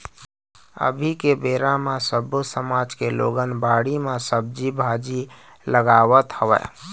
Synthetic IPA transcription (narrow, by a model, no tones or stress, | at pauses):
ə̰bʱikebeɾamasəbusəmad͡ʒkelo̰ɡənbaɽimasəb̚d͡ʒibʱad͡ʒi | ləɡaʋət̪həʋɛ̰